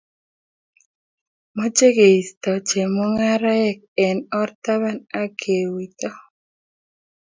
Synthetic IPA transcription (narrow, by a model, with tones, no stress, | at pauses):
mɔ˦t͡ʃe˦ɡe˨i˨st̪ɔ˨t͡ʃe˨mɔ˦ŋa˦ɾa˦ɛ˦k̚ | ɛ˨nɔ˦rt̪a˦βa˦na˦kʰe˨wi˨t̪ɔ˦